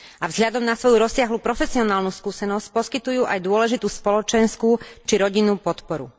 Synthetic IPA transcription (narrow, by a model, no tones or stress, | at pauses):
avzɦlʎad̪ɔmnasʋɔjuɾɔsːɪaɦlupɾɔfɛsiɔnaːlnuskuːsɛnɔsc̚pɔskit̪ujuːʔajd̪ʊɔlɛʒit̪uːspɔlɔt͡ʃɛnskuːt͡ʃiɾɔɟinuːpɔt̪pɔɾṵ